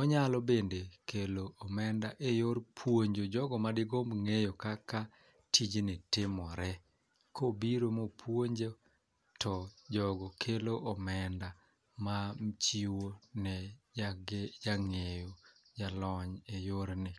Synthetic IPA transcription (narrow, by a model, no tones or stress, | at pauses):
ɔɲalɔbendekeloʔːmɛndaʔejoɾpʰwoɲd͡ʒod͡ʒɔɡɔmadɪɡombŋejokaka | tʰid͡ʒnɪtɪmɔɾɛ | kobiɾomopʰwoɲd͡ʒo | tɔd͡ʒɔɡɔkʰeloʔɔmɛnda | mamt͡ʃiwonɛ | d͡ʒaŋejod͡ʒalɔɲejoɾnɪ